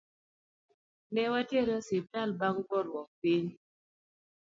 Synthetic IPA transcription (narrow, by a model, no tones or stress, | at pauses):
nɛwatjeɾɔsip̚talbaŋbɔɾwɔk̚piɲ